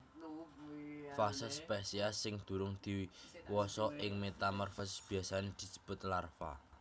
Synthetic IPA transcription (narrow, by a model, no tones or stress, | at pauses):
fasəspesiasɪŋd̪̥ṳɾʊŋd̪̥i̤wiwɔsɔʔɪŋmet̪amɔrfʊsb̥i̤asaned̪̥i̤d͡ʒ̥ə̤̥b̥ʊ̤t̪̚larfa̰